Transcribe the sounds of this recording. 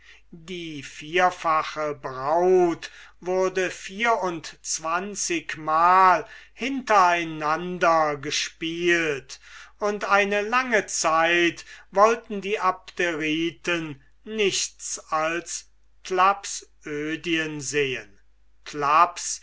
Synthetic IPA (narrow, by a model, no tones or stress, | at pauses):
diːfiːɐfaχəbʁaʊtvʊɐdəfiːɐʊntt͡sv̥ant͡sɪkmaːlhɪntɐaɪnandɐɡəʃpiːltʊntaɪnəlaŋət͡saɪtvɔltn̩diːʔap̚t̪eʁiːtən | nɪʃt͡sals | klapsʔøːdiənzeːən | kʰlaps